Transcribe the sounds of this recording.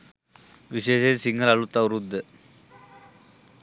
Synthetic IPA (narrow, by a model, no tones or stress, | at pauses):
ʋiɕeːʃesiŋɡəlalut̪ːaʋɾud̪ʱːə